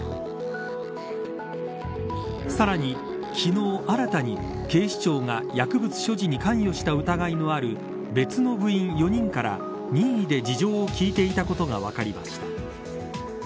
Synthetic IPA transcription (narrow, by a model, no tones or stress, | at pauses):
saɾaɲ̟i | kʲʰino̞ːʔaɾat̪aɲ̟i | ke̞ːɕi̥t͡ɕo̞ːŋajakɯ̟bɯ̟t͡sɨ̥ɕo̞ʑiɲ̟ikãɰ̃jo̞ɕi̥t̪aɯ̟t̪aɡaino̞aɾɯ̟ | be̞t͡sɨno̞bɯ̟ĩɰ̃jo̞ɲ̟ĩŋkaɾa̰ | ɲĩɰ̃id̪e̞d͡ʑiʑo̞ːokʲiːt̪e̞it̪ako̞t̪o̞ɡa̰βa̰kaɾʲima̰ɕi̥t̪ḁ